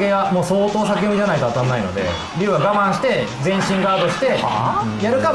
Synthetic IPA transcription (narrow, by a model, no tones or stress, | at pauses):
keɡamoːso̞ːt̪o̞ːsakʲeoɲid͡ʑanait̪oat̪ãnːaino̞̰d̪e̞̰ | ɾʲɯːβaɡamãɰ̃ɕi̥t̪e̞d͡zẽ̞ɰ̃ɕĩŋɡaːd̪o̞ɕi̥t̪e̞jaɾɯ̟ka